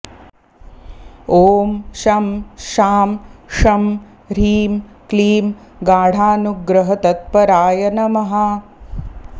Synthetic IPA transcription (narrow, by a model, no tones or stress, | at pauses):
oːmʃɐmʃaːmʃɐm | ɾiːm | kliːm | ɡaːɽ̤ʱaːnuɡɾɐɦɐt̪ɐt̪̚pɐɾaːjɐnɐmɐɦɐ